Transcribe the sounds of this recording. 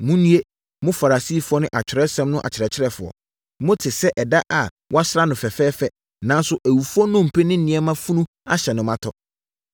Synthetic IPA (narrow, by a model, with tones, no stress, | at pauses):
mũ˦nũ˦e˦ | mʊ̃˦fa˨ɾa˨si˦˨fʊ˦ɔ˦nʊ̃˦ʔa˨t͡ɕʰᶣɪ˨ɾɛ˦sɛ̃˦mnʊ̃˦ʔa̰˨t͡ɕʰɪ˨ɾɛ˨t͡ɕʰɪ˦ɾɛ˦fʊ˨ɔ̰˨ | mʊ̃˦tʰɪ˨sɛ˦ʔɛ˨da˦ʔa˨ | wʔɔ˦a˦sɪ˦ɾa˦nʊ̃˨fɛ˨fɛː˦fɛ˦ | nã˨˦n˦sʊ˦ʔæ˨wu˨fu˦ɔ˦nʊ̃˦˨m̩˨pʰe˦nɪ̃˦n̩nɪ̃˨ɛ˦mã˦fũ˦nũ˦ | a˦ɕɛ˨nʊ̃˨mã˦tʰɔ˦